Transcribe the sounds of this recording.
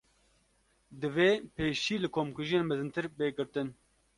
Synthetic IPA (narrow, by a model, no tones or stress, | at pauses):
d̪ɨveːpeːʃiːlɨkʰoːmkuʒijeːnmɨzɨnt̪ʰɨɾbeːɡɨɾt̪ɨn